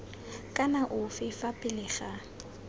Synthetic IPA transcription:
kʼanaʔʊfɪfapʼɪlɪχa

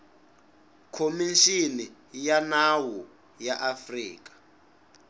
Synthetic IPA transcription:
kʰomiʃini | janawɔ | jaʔafrḭːk̬ḁ

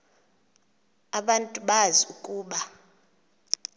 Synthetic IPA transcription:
aɓantʼuɓaziukʼuːɓa

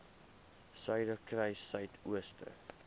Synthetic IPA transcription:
sœɥdəkrɛjsœɥtʰuəstʰə̰

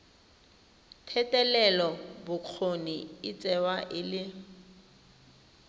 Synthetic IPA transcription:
tʰɛtʼɛlɛlɔbʊk͡xʰoniɪt͡sʼɛwaʔɪlɪ

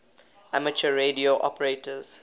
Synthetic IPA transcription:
amət͡ʃəɹedioʔɔ̰pəɹetəz̥

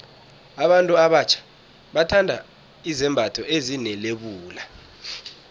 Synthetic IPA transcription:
aɓantʼuaɓat͡ʃʰḁ | ɓatʰandʱa̰ | izɛmbʱatʰɔʔezinɛleɓuːla

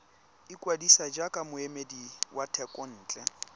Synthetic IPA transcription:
ikʼwadisad͡ʒakʼamʊemediwʔatʰɛkʼɔn̩ːt͡ɬʼɛ

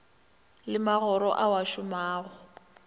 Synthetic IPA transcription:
lɪmaɣɔɾɔ̰ʔawaʃʊmaːɣɔ

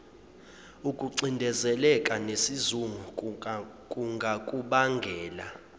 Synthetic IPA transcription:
ukʼuǀindʱɛzɛlɛkʼanesizuŋu | kʼuŋɡʱakʼuɓaŋɡʱɛːla

